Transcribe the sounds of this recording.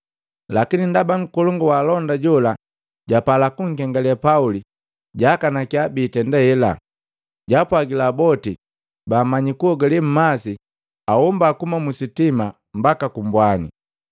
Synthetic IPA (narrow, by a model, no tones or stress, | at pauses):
lakinindabaŋ̩kɔlɔŋɡɔwaːlɔndaɟɔla | ɟapalakuŋ̩kɛŋɡalɛapauli | ɟakanakiabiːtɛndɛhɛla | ɟapwaɡilabɔti | baːmaɲikuɔɡalim̩masi | ahɔmbaːkumamusitima | mbakakumbwanḭ